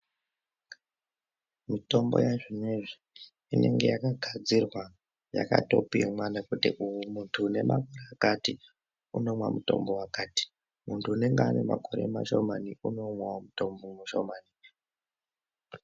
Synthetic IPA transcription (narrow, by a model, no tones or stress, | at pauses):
mito̞mbo̞̰jaʐineʐi | ine̞ŋɡe̞jakaɡʱad͡zirwa | ja̰ka̰to̞̰piemwanakutiʔuumuntʰuːne̞makoreakati | uno̞mwamuto̞̰mbo̞wakaːti̥ | muntʰuːne̞ŋɡeane̞ma̰ko̞ɾemaʃo̞maniuno̞mwamutombomuʃo̰maːni